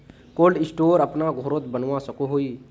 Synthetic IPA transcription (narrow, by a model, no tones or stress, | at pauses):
kolɖɪsʈoːɾəpnaɡʱoɾot̪bənwasəkoɦoi